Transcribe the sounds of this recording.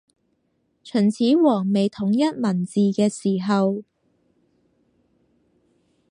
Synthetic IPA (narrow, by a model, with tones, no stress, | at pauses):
t͡ʃʰɵ˨˩nt͡sʰiː˨˥wɔː˨˩ŋme˨jt̪ʰʊ˨˥ŋjɐ˥t̚mɐ˨˩nt͡siː˨kɛː˧siː˨˩ɦɐ˨w